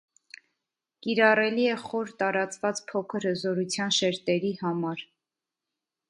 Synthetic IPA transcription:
kiɾɑrɛliɛχɔɾt̪ɑɾɑt͡svɑt͡spʰɔkʰəɾhəzɔɾut͡sʰjɑnʃɛɾt̪ɛɾihɑmɑɾ

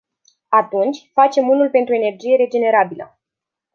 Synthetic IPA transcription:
at̪unt͡ʃʲfat͡ʃe̞munulpe̞nt̪ɾue̞ne̞rd͡ʒije̞ɾe̞d͡ʒe̞ne̞ɾabilə

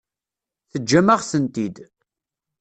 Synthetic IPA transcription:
θəd͡ʒːæməʁsənt̪id̪

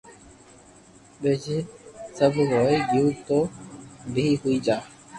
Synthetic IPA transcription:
bed͡ʒsəbɾoːiɡiːt̪oːbʱiːɦʊiːd͡ʒaː

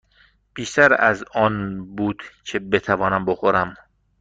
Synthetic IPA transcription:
pʰiʃt̪æɾæzɒːnbuːd̪̥cʰe̞be̞t̪ʰævɒːnæmboxoɾæm

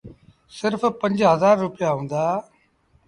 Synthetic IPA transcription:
sɪɾppəɲd͡ʒɦəzaːɾːʊpɪjaːɦõːnd̪aː

